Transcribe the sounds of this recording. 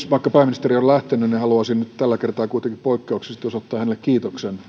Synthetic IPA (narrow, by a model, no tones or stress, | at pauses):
ʋɑikːɑpæimːinist̪eriollæht̪enynihɑluɑsinnyt̪t̪ælːækert̪ɑːkuit̪eŋkippoikːeuksest̪josot̪ːɑːhænelːekkiːt̪oksen